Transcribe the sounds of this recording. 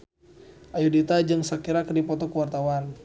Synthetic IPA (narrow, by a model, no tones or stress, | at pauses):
ʔajudit̪ad͡ʒɨŋsakiɾakdipɔt̪ɔkəwart̪awan